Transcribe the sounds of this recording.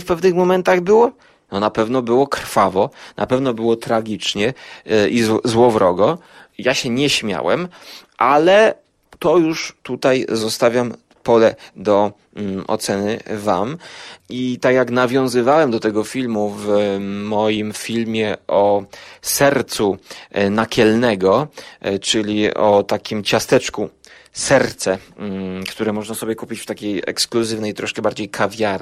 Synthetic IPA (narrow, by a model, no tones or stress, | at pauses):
fpɛvnɘxmɔmɛnt̪aɣbɘwɔ | nɔnapɛvnɔbɘwɔkɾ̥favɔnʔa̰pɛvnɔbɘwɔt̪ɾaɡʲit͡ʂɲɛizzwɔvɾɔɡɔ | jaɕɛɲɛɕmʲja̰wɛ̰mʔalɛ | t̪ɔjuʂt̪ut̪ajzɔst̪avʲjam | pɔlɛd̪ɔ | ɔ̰t̪sɛnɘva̰mit̪akjaknavʲjɔ̃w̃zɘvawɛmd̪ɔt̪ɛɡɔfʲilmuvmɔjimfʲilmʲjɛɔsɛɾt̪sunakʲɛlnɛɡɔt͡ʂɘlʲiɔt̪akʲimt͡ɕast̪ɛt͡ʂku | sɛɾt̪sɛ | kt̪uɾɛmɔʐnasɔbʲjɛkupʲit͡ɕft̪akʲejɛ̰kskluzɘvnɛjt̪ɾɔʂkɛbaɾd͡ʑejkʰavʲjaɾ